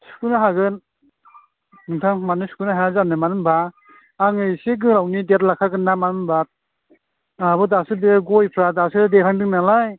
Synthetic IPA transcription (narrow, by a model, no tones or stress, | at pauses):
su̥kunaɦaɡɯn | nɯŋtʰaŋmanɯsu̥kunaɦazanɯmanɯmbaː | ŋɯseɡ̬ɯlawnidet̚lakʰaɡɯnːamanɯmbat̚ | abɯdasɯdeɡɔjpʰɾadasɯdeɾʰaŋdɯŋnalaj